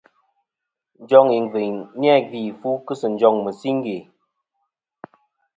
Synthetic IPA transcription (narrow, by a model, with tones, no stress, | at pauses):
n̩˦d͡ʒɔ˦ŋi˨ŋ˨vi˨ŋn˦ɛ˦˨vi˨fu˦kɨ˦sə˨n̩˨d͡ʒɔ˦˨ŋmə˨si˦ŋ̩˦ɡe˨